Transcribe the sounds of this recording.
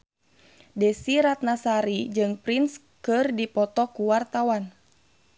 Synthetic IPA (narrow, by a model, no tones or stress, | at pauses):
dɛsiɾat̪̚nasaɾid͡ʒɨŋpɾins | kɨrdipɔt̪ɔkuwart̪awan